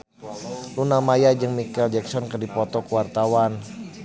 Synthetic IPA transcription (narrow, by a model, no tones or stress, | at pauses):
lunamajad͡ʒɨŋmikɛld͡ʒɛksɔnkərdipɔt̪ɔkuwart̪awan